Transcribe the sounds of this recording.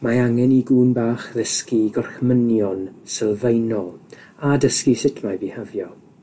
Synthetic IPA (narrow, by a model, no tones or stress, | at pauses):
maaŋɛniɡuːnbaːχðəskiɡɔrxmənjɔnsəlˠvejnɔ | adəskisɪtʰmajbihəvjɔ